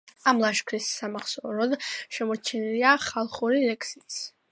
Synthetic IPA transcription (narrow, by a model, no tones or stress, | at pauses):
amlˠaʃkʰɾisːamaχsɔɾɔd̪ʃɛmɔɾt͡ʃʰɛniliaχalˠχuɾilɛkʼsis